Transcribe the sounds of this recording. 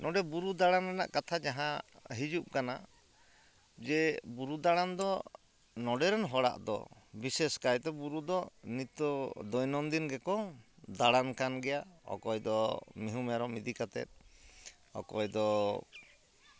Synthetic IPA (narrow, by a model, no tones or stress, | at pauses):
nʔɔɖɛbuɾud̪aɽanɛna̰ʔkat̪ʰad͡ʒaɦãɦid͡ʒup̚kana̰ | d͡ʒɛbuɾud̪aɽand̪ɔ | nɔɖɛɾɔnɦɔɽa̰ʔd̪ɔ̰biseskajt̪ɔbuɾud̪ɔnit̪ɔd̪ɔjnɔnd̪inɡɛkɔd̪aɽankanɡɛjaɔ̰kɔjd̪ɔmiɦumjaɾɔmid̪ikat̪ɛ̰t̪̚ˀ | ɔ̰kɔjd̪ɔ